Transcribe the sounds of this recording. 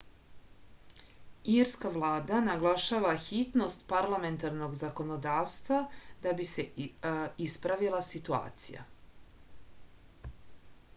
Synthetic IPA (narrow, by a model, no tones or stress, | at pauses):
iɾskaʋlˠaːd̪anaɡlˠaʃaːʋaxit̪no̞st̪paɾlˠame̞nt̪aɾno̞ɡzako̞no̞d̪aːʋst̪vad̪abise | ispɾaʋilˠasit̪ua̰ːt̪sḭja̰